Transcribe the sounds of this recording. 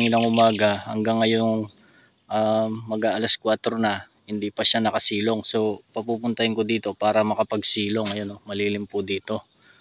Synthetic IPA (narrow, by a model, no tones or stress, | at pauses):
inɐŋʔʊmaːɡɐhɐ̰ŋɡaŋːɐjoŋ | ʔaːɐɡaʔɐlɐskwaːt̪ɾo̞nɐ | hɪnd̪iːpɐʃanɐkɐsiːlo̞ŋso̞pɐpuːpʊnt̪ɐhɪnkod̪iːt̪o̞paːɾɐmɐkɐpɐɡsiːlo̞ŋːɐjo̞nːomɐliːlɪmpʊd̪iːt̪o̞